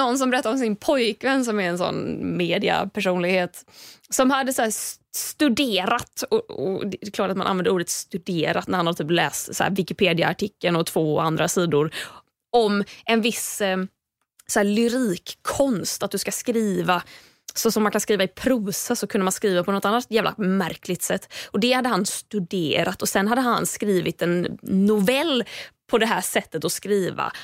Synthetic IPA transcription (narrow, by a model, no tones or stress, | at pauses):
nɔnːs̬ɔmbɛɾɛt̪ːaɾɔmsɪnpʰɔjkvɛnːs̬ɔmɛɾɛnsɔ̰nmeːd̪ɪa̰pʰæʂuːnlɪɡheːt̪sɔmhad̪ːəsæːsst̪ɵd̪eːɾat̪ɔɔ̰d̪ɛɛklɑːʈat̪manʔa̰nvɛnd̪əɾuːɖət̪st̪ɵd̪eːɾa̰t̪næɾhanhad̪ət̪yːp̬lɛ̰ːst̪sæ̰ːɾvɪkɪpʰeːd̪ɪa̰ːʈʰɪkːənɔt̪ʰv̥oːand̪ɾasiːd̪ʊɾ | ɔmʔɛnvɪs | sɔæːlʏɾiːkʰːɔnst̪at̪̚d̪ɵskaskɾiːva | sɔsɔmːankʰanskɾiːvaɪpʰɾuːsəsɔkʰɵnd̪əmanskɾiːvapʰɔnɔt̪anːat̪jæːvlʔa̰mæɾkʰlɪɡt̪sɛt̪ːɔd̪ɛhad̪ːəhanst̪ɵd̪eːɾat̪ɔsɛnɦad̪ːəɦanskɾiːvɪt̪ɛnːʊvɛlːpʰɔd̪ɛɦæːʂɛt̪ːət̪ɔskɾiːva̰